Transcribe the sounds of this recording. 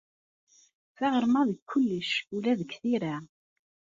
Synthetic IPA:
θæʁəɾmæðəkʰʷːʊlːəʃulæðəkθiɾa

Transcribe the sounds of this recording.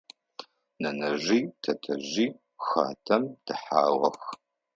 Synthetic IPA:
nɐnɐʒiːtʰɐtʰɐʑiː | xa̰ːtʰɐmd̥ɨħaːwɐx

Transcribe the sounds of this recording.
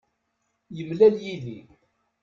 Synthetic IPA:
jəmlæljiði

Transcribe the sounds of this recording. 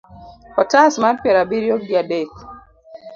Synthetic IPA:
kɔtasmapjɛɾabiɾjok̚diadek

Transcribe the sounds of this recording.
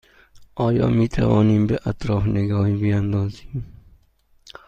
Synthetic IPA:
ʔɔːjɔ̰ːmit̪ʰa̰vɔːnimbeʔat̪ʰɾɔːfneɡɔːhibiand̪ɔːzim

